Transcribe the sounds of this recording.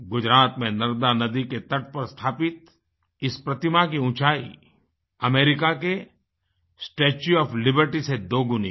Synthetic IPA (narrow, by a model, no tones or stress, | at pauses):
ɡʊd͡ʒɾaːt̪mẽnɐɾd̪anɐd̪iket̪ɐʈ̚pɐɾst̪ʰaːpɪt̪̚ | ɪspɾɐt̪ɪmak̬iʊ̃t͡ʃaːḭ | ɐmeːɾɪkake | sʈeːt͡ʃuɔːplɪbəɾʈised̪oːɡʊni